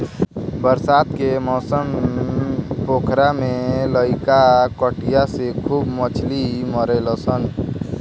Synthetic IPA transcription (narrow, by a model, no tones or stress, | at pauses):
bəɾsaːt̪kemɔːsəm | poːkʰɾamẽləɪkakəʈijasekʰuːbmət͡ʃʰliməɾelɔsən